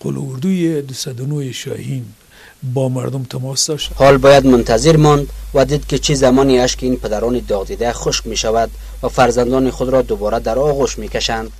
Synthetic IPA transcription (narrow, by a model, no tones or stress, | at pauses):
qʰʊ̰l̰uɾd̪ujed̪usad̪unoeʃɔ̰hin | bɔma̰ɾd̪umt̪ʰamɔsd̪ɔʃhɔlbɔjad̪mʊnt̪ʰaziɾmɔnd̪vad̪id̪kit͡ʃʰizamɔniaʃkiːnpʰad̪aɾɔnid̪ɔʁd̪id̪aχʊʃkmeʃavad̪ | vafaɾzand̪ɔniχʊd̪ɾɔd̪ʊbɔɾad̪aɾɔɣuʃmekaʃand̪̥